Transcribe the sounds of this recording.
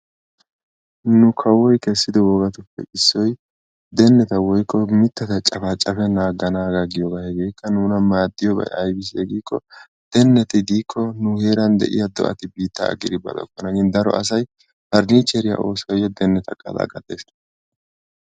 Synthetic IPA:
nʊkʰɐwɔjkɛsːɪd̪ɔwɔɡɐt̪ʊpːɛ̰ʔɪsːɔj | d̪ɛnːɛt̪ɐwɔjkːɔmɪt̪ːɛt̪ɐt͡ʃʼɐfat͡ʃʼːɐfɛnaːɡɐnaːɡaɡɪjɔɡahɛɡe̞ːkʰːɐnuːnɐmaːd̪ːɪjɔbɐ̰jɐjbɪs̬ɛɡiːkːɔ̰ | d̪̥ɛnːɛt̪ɪd̪iːkʰːɔnʊheːɾɐnd̪ɛ̰ʔɪ̰jɐd̪ɔ̰ʔɐ̰t̪ɪbiːt̪ːɐ̰ːɡːɪd̪ɪbɐ̰d̪ɔ̰kːɔnɐɡɪnd̪ɐɾɔ̰ʔɐsɐj | bɐɾniːt͡ʃːɛɾɪjɐ̰ʔo̞ːsɐjɔd̪ɛnːɛt̪ʰɐkʼːɐ̰d̪a̰ːɡɐd̪eːs

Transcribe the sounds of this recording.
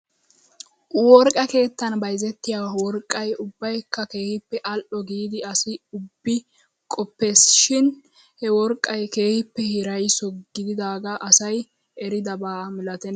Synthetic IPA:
wɔɾkʼɐke̞ːt̪ːɐnbɐjzɛt̪ːɪjaːwɔɾkʼːɐjʊbːɐjkːɐke̞ːhɪpːɛʔɐlʔɔɡiːd̪ɪɐsɪʊbːɪ | kʼɔpːe̞ːsʃɪn | hɛwɔɾkʼːɐjke̞ːhɪpːɛhɪɾɐjsɔɡɪd̪ɪd̪aːɡɐʔɐsɐj | ʔɛɾɪd̪ɐbaːmɪlɐt̪ɛn

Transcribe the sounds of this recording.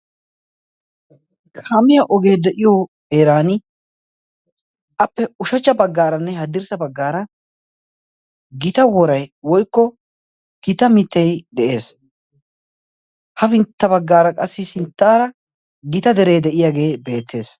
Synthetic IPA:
kʰamɪjɐʔɔɡe̞ːd̪ɛʔɪjɔ | eːɾaːnɪ | ʔɐpːɛʊʃɐt͡ʃːɐbɐɡːaːɾɐnːɛhɐd̪ɪɾsɐbɐɡːaːɾɐ | ɡɪt̪ɐwɔɾɐjwɔjkːɔ | ɡ̥ɪt̪ɐmɪt̪ːɛjd̪ɛʔe̞ːs | hɐfɪnt̪ːɐbɐɡːaːɾɐkʼɐsːɪsɪnt̪ːaːɾɐ | ɡɪt̪ɐd̪ɛɾeːd̪ɛʔɪjaːɡe̞ːbe̞ːt̪ʰːe̞ːs

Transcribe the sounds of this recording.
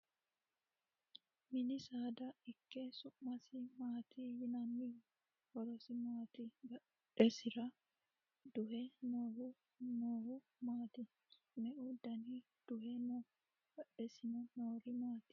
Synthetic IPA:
mɪnɪsaːd̪ɐɪkːɛsʊmːɐsɪmaːt̪ʰijɪnɐmːɪ | hɔɾɔsɪmaːt̪iɡɐ | ɛsɪɾɐ | d̪ʊhɛnoːhʊ | noːhʊ | maːt̪ɪ | mɛʔʊd̪ɐni | d̪̥ʊhɛno | ɡ̥ɐɗɛsɪnɛnoːɾɪmaːt̪ɪ̥

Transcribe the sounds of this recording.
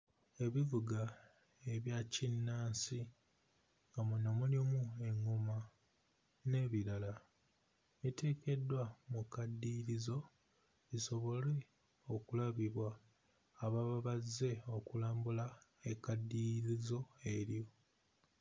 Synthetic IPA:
e̞βivuɡa | e̞βjacinːaːnsi | ŋɡamunomulimue̞ŋːoma | ne̞ːβiɾala | βite̞ːke̞dːwamukadːiɾizo̞ | βiso̞βo̞le̞ | o̞kulaβiβwaː | βaβaβaze̞o̞kulaːmbulaekadːiɾizo̞e̞ɾjo̞

